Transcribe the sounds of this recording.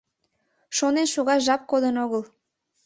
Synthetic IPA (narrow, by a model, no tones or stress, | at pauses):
ʃonenʃuɣɑʒɑp̚kod̪ənoɣəl